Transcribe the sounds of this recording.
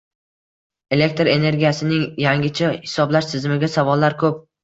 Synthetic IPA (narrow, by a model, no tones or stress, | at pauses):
e̞le̞k̚ʲt̪ɾe̞ne̞ɾɡʲijasɪnɪŋjaŋʲɪt͡ʃʰahɪ̥sɒblaʃt̪ʰɪzmɪɡʲasavɒlːaɾkʰɵp̚